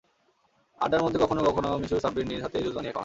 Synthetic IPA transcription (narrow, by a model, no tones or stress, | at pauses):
a̰ɖaɾmod̪ʱːekɔkʰonokɔkʰonomiʃuɾsabiɾniɾɦat̪ed͡ʑozb̪anikʰɔ̰ɾa